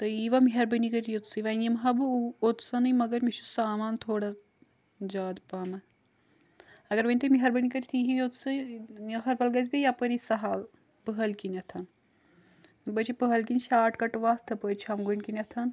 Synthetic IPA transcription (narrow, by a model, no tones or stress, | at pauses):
t̪ɐiʋɐmiɦɐɾbɐnikɐɾijot̪sɨʋɐnʲjɐmɦɐbɨot̪sɐnɨmɐɡɐɾmiʃusaːmaːnt̪ʰoːɽɐ | d͡ʒaːd̪paːmɐn | ɐɡɐɾʋɐnʲt̪ɨmiɦɐɾbɐnikɐɾʲt̪ʰiɦiot̪sɨɐxɐɾpɐlɡɐz̬bijapəɾisɐɦal | pɨɦɐlkinʲɐt̪ʰɐn | bɐt͡ʃipɨɦɐlkinʲʃaːʈkɐʈʋaːst̪ʰɐpət͡ʃʰɐmɡonkinʲɐt̪ʰɐn